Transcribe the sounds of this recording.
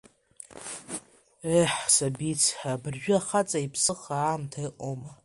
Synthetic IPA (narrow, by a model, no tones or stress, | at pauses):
eħsabit͡sʰħabɨrʒᶣʊaχat͡sʼaipʰsɨχaːmtʰajqʼoma